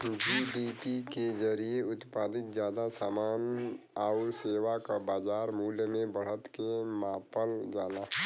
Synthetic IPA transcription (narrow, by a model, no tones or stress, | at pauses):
d͡ʒiɖipiked͡ʒəɾieʊt̪paːd̪ɪt̪̚zjaːd̪asaːmaːn | aʊɾseːwakabaːd͡ʒaːɾmuːljəmẽbəɽ̤ət̪kemãːpəld͡ʒaːla